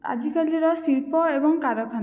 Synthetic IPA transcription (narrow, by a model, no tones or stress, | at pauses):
a̰d͡zikaliɾʌsilpɔebɔŋkaɾɔkʰan